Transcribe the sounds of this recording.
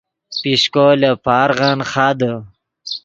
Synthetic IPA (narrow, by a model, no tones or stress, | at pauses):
piɕkolepʰaːɾʁanχaːd̪ə